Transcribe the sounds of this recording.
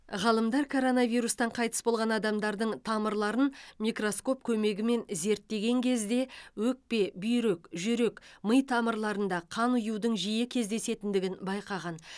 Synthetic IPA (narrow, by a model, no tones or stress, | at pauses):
ʁɑlˠəmd̪ɑɾkʰo̞ɾo̞nɑvijɾust̪ɑɴqʰɑjt̪ə̥sbo̞lˠʁɑnɑd̪ɑmd̪ɑɾd̪əɴt̪ʰɑməɾlˠɑɾənmʲijkro̞sko̞p̚kʲʰɵme̞ɡʲɪme̞nze̞ɾt̪ːe̞ɡʲe̞ŋkʲʰe̞zd̪e̞wɵk̚pe̞bʏjɾe̞kʒʏɾe̞kməjt̪ʰɑməɾlˠɑɾənd̪ɑqʰɑnʊjuwd̪əɴʒijɪkʲʰe̞zd̪e̞se̞t̪ɪnd̪ɪɡʲɪnbɑjqɑʁɑn